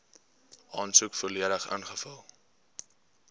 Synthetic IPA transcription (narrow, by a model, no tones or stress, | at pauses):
ɑːnsukfuːliəɾəχə̰nχəfɐlˠ